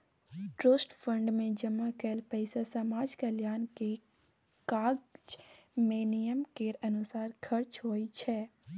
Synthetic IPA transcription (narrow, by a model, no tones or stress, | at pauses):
ʈɾoːsʈpʰə̃ɳɖmẽd͡ʒəmːakɛːlpɛɪsasəmaːd͡ʒkaljaːnke | kaːɡd͡ʒmeːnijəmkeɾɐnʊsaːɾkʰəɾt͡ʃɦoːit͡ʃʰɛː